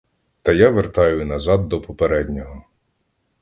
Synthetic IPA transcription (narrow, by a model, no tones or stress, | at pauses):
t̪ɐjaʋert̪ɑjʊnɐzɑd̪ːɔpɔpeɾɛdʲnʲɔɦɔ